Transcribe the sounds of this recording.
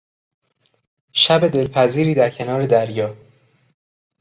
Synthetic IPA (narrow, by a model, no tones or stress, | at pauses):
ʃæbe̞d̪e̞lpʰæziːɾiːd̪æɾcʰe̞nɒːɾe̞d̪æɾjɒː